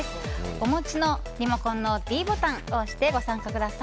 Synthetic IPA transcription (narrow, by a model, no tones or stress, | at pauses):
sɨ̥omo̞t͡ɕino̞ | ɾʲimokõnːo̞d̪̥ʲiːbo̞t̪ãŋoɕi̥t̪e̞ɡo̞sãŋkakɯ̟d̪asa